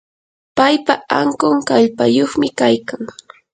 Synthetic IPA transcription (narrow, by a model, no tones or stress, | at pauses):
pajpaaŋkʊŋkaʎpajoχmɪkajkaŋ